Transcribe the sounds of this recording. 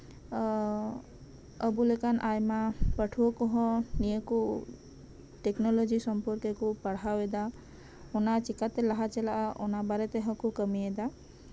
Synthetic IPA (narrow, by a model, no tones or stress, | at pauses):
əbulekanʔajmapəʈʰuokɔɦɔ̃nieku | ʈeknɔlɔd͡ʒisɔmpɔɾkekupəɽawed̪a | onat͡ʃikat̪elaɦat͡ʃɛlaʔonabaɾet̪eɦɔ̃kukəmied̪a